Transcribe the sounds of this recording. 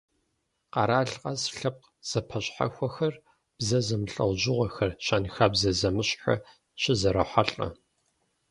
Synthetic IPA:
qɑɾaːɮqʼɐzɬɐp̚q | z̥ɐpʰɐɕʼħa̰xʷɐxɐr | b̥zɐzɐmɨɬʼɐwʑɪʁʷɐxɐrɕaːnxaːbzɐzɐmɨɕʼħa̰ | ɕɪzɐɾɐħʷaɬʼɐ̰

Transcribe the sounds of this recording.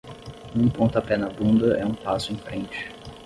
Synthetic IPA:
ũpõnt̪ʊapɛnɐbũnd̪ɐʔɛũpasʊẽj̃fɾẽnt͡ʃɪ̥

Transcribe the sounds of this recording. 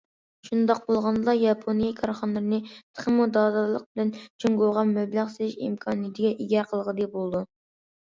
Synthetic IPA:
ʃund̪ɑq̚bolˠʁɑnd̪ˠɑjɑpʰonijɑkʰɑɾχɑnɨɾɨnɨt̪ʰə̥χəmud̪ɑd̪ɑlˠəq̚bɪlɛnt͡ʃʰyŋɡoʁɑmɛblæqseɪʃḭmkʰɑːnijt̪ʰɪɡʲɛʔiɡʲɛɾqʰəlˠʁəd̪ebolˠd̪u

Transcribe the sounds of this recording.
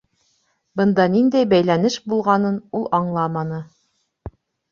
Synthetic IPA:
bɤ̆nd̪ɑnind̪æjbæjlænɘʃbulˠʁɑnɤnulˠɑɴlˠɑmɑnɤ

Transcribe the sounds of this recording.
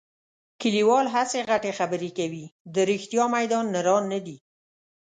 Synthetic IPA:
kəliwɑlɦaseɣaʈexabəɾekawid̪əɾixt̪jɑmajd̪ɑnːəɾɑnːad̪i

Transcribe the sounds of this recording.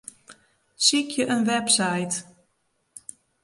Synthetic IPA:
sikʰjəʔənʋɛpsajt

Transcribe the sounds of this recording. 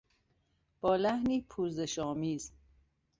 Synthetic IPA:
b̥ɒːlæhniːpʰuːzeʃɒːmiːz

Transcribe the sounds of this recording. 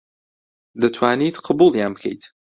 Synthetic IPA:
d̪ɐt̪ʰwaːnit̪qʰɑbulˠjaːnbɨkʰḛjt̪

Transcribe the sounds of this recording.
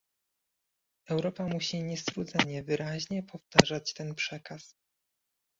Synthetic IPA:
ɛwɾɔpamuɕiɲɛst̪ɾud̪zɛɲɛvɘɾʔaʑɲɛpʰɔft̪aʐat͡ɕt̪ɛnpʂɛkas

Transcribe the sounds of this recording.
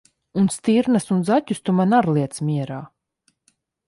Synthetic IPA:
unst̪iɾnasunzatʲust̪umanaɾlˠiɛt̪smʲiɛɾaː

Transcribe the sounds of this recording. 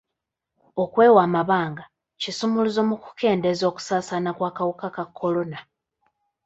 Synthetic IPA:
o̞kwe̞ːwaːmaβaːŋɡa | cisumuluzo̞muku̥kʰe̞ːnde̞zo̞ːku̥saːsanakwaːkawukakakʰːo̞lo̞na

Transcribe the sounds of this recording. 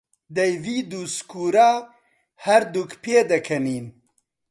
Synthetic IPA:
d̪ɐjviːd̪uskuːɾaː | hɐɾd̪ukpʰeːd̪ɐkʰɐniːn

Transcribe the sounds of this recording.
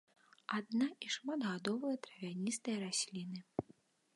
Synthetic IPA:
ad̪naiʂmad̪ɣad̪ɔvɐjɐt̪ɾɐvʲanʲist̪ɐjɐɾasʲlʲinɨ

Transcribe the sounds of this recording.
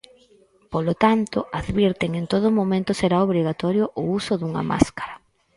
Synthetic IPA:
polot̪ant̪oaðβiɾt̪eŋent̪oð̞ʊmomẽnt̪ʊseɾaoβ̞ɾiɣat̪ɔɾjoʔʊusʊðuŋɐ̰ma̰skḁɾɐ

